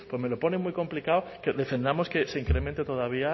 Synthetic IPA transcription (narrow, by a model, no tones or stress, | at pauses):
pome̞loponemujko̞mplikawkeðe̞fe̞nd̪amo̞skeseiŋkɾemẽnt̪et̪oð̞aβ̞ia